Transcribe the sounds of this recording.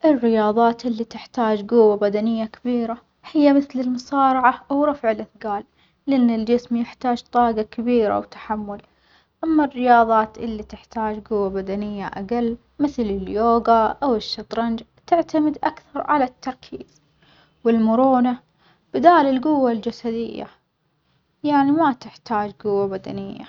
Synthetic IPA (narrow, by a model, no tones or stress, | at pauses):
ʔɪrːɪjɑːðˤɑːt̪ʔɪlːit̪ɪħt̪aːd͡ʒɡʊwːabad̪anɪjːakɪbiːɾa | hɪjːamɪθlɪlmʊsɑːɾˤɑʕaʔawɾˤɑfʕɪlʔɪθɡaːlː | ɪʔɪnːɪld͡ʒɪsmjɪħt̪aːd͡ʒt̪ˤɑːɡɑkabiːɾa̰wt̪ḁħamːʊl | ʔamːarːɪjɑːðˤɑːt̪ʔɪlːit̪ɪħt̪aːd͡ʒɡʊwːabad̪anɪjːaʔa̰ɡalː | mɪθlɪljoːɡaʔawɪʃːɑt̪ˤɾˤɑnd͡ʒt̪ɪʕt̪amɪd̪ʔakθɑɾˤʕa̰lat̪ːɑɾˤkʰiːz̥ | wɪlmʊɾuːna | b̥ɪd̪aːlɪlɡʊwːald͡ʒasad̪ɪjːa̰ | jaʕnimat̪ɪħt̪ʰaːd͡ʒɡʊwːabad̪a̰nɪjːa̰